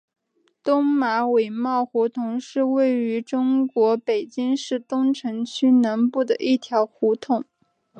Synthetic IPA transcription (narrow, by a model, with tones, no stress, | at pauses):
t̪ʊ˥ŋma˧˥we˨˩ɪmɑ˥˩ʊxu˧˥t̪ʰʊ˧˥ŋʂɻ̩˥˧we˥˩ɪy˧˥ʈ͡ʂʊ˥ŋkwɔ˧˥pe˨˩ɪt͡ɕi˥ŋʂɻ̩˥˩t̪ʊ˥ŋʈ͡ʂʰɤ˧˥ŋt͡ɕʰy˥na˧˥npu˥˩d̪ə˨˩ʔi˥˩t̪ʰjɑ˧˥ʊxu˧˥t̪ʰʊ˨˩˦ŋ